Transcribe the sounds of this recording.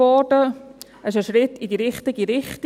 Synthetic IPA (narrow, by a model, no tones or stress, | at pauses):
ɔd̥ə | ɛsʃəʃɾɪtidiɾɪχtɪɡiɾɪχt